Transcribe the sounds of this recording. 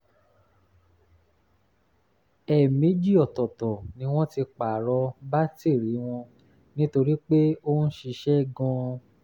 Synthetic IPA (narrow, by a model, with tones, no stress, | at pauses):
ɛ˨mĩ˨˦d͡ʒi˦ɔ˨tɔ˨tɔ˨nĩ˧˦w̃ɔ̃˦ti˧k͡pa˨ɾɔ˧ba˦te˦˨ɾi˨˦w̃ɔ̃˧ | nĩ˦to˧ɾi˦k͡pe˦o˦n̩˦ʃi˧ʃɛ˦ɡɔ̃˧